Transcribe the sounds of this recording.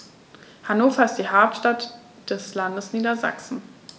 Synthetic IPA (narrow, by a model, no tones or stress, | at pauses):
hanoːfɐɪst̚d̥iːhaɐp̚tʃtat | d̥ɛslandəsniːdɐza̰ksn̩